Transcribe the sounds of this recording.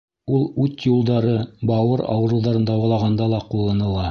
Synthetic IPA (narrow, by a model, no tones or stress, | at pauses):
ulˠʉt̪julˠd̪ɑɾɤbɑwɤɾɑ̰wɤ̆ɾɤwðɑɾɤ̆nd̪ɑwɑlˠɑʁɑnd̪ɑlˠɑqulˠːɤ̆nɤ̆lˠɑ